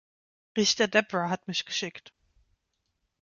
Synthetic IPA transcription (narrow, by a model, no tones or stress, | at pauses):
ʁɪçtɐdɛpʁaɦatmɪçɡ̥əʃɪkt